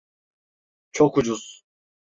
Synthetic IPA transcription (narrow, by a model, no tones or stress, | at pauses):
t͡ʃʰokud͡ʒuz̥